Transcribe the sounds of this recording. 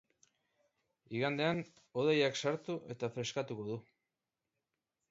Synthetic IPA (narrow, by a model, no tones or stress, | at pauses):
iɣand̪e̞an | o̞ð̞ejaksaɾt̪uʔe̞t̪afɾe̞skat̪uko̞ðu